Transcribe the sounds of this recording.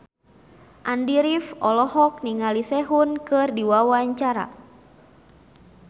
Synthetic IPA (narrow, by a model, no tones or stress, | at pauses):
ʔandiɾifɔlɔhɔk̚niŋalisɛɦunkɨrdiwawaɲt͡ʃaɾa̰